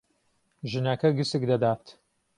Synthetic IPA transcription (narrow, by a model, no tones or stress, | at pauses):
ʒɨnɐkɐɡɨsɨk̚d̪ɐd̪aːt̪